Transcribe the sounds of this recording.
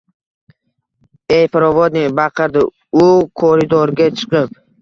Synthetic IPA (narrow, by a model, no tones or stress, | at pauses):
ejpɪɾɒvɒd̪nɪbɑqʰɨɾd̪ɪ | ʊkʰoɾɪd̪ɔɾɡʲat͡ʃʰɨ̥qɨp̚